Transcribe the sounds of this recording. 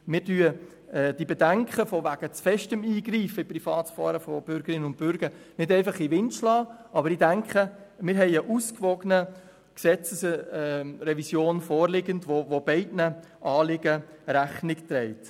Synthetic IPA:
mɪːɾdyːə | d̥ibɛdæŋkχəfɔʋæɡ̥ət͡sfɛʃtəmiːɡriːfəiprifɑːtfɑːɾəfɔb̥ʏɾɡ̥əɾɪnːənʊnt̚b̥ʏɾɡ̥ə | nɪdɛɪfɑχiʋɪnt͡ʃlɑːʔɑbəɾidæŋkχəmɪːɾɦɛɪəʔuskʋɔɡənə | ksɛt͡səs | rɛvisjoːnfɔːrlɪɡəndʋovobɛɪdnə | ʔɑːlɪɡ̥ə | ɾæχnɪktɾɛɪt

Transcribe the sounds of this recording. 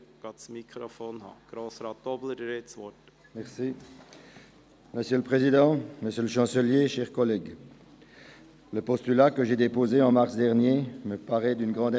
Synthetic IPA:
ɡ̥ɑːt̪smikʰɾofoːnhɑ̰ːɡ̥ɾoːsɾɑt̪ɔblədəɾesʋɔt | mɛʁsi | məsjøləpχezid̪ɑ̃məsjøləʃɑ̃səljeʃɛːʁkɔlɛɡ | ləpɔst̪ylakəʒed̪epozeɑ̃maʁsd̪ɛʁnjeməpaʁɛd̪ynɡʁɑ̃d̪

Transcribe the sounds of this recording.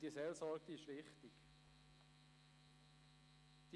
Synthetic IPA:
d̥isɛlsɔɾk̚d̥̪iɪʃʋɪχt̪ɪk | d̥i

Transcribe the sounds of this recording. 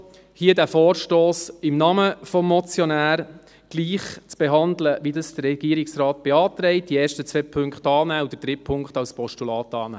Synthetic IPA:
hiədæːfɔːɾʃtoːsɪmnɑməfɔmːɔt͡sjɔnæːɾ | ɡ̥liːχt͡sb̥eɦɑnd̪ləʋidɑsd̥əɾɛɡ̥iːɾɪksrɑːt̚b̥eɑːt̪ɾɛɪt̚d̥iɛːʃtət͡sʋɛːpʰʏŋkχtɑːnæːud̥ədɾɪpʰʊŋktɑlspʰɔʃtulɑːtɑːnɛ̰ː

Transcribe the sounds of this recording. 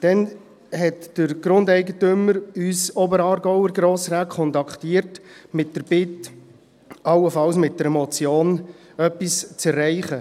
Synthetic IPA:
d̥ɛn | hɛtd̥əɾɡ̥ɾʊndɛɪɡətʏməɾysɔbəɾɑːɾɡɔʊəɾɡɾoːsɾaːkʰːɔntɑkχtiːəɾtmɪt̚d̥əɾb̥ɪt | ɑlːəfɑlsmɪt̚d̥əɾɛmɔt͡sjoːn | œpːist͡sɛrːɛɪχə

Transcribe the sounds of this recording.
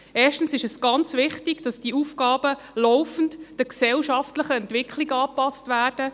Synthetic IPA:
ʔɛːʃtən̩sɪʃɛsɡ̥ɑnt͡svɪχtiɡ̥d̥ɑsd̥iəufɡɑːbə | lɔʊfən̩td̥əksɛlʃɑftləχəɛntʋɪkʰliɡəɑːpɑstvæːrd̥ə

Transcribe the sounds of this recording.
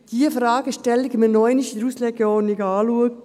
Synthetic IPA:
d̥iəfɾɑːɡ̥əʃtɛlɪɡmənɔɪniʃiɾuslɛɡjoːnɪɡɑːluək̚

